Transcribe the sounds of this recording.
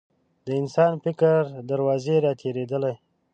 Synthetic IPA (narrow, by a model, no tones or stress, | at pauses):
d̪əɪnsɑnfɪkəɾd̪aɾwɑzeɾɑt̪ʰeɾed̪əlaj